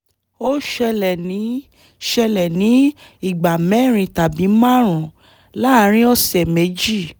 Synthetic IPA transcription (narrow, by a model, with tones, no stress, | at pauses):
o˦ʃɛ˧lɛ˨nĩ˨˦ | ʃɛ˧lɛ˨nĩ˨˦ | i˦˨ɡ͡ba˨mɛ̃˨˦˨ɾ̃ĩ˧ta˨bi˨˦mã˦˨ɾ̃ũ˨ | la˦˧˦ɾ̃ĩ˦ɔ˧sɛ˨me˨˦d͡ʒi˦˨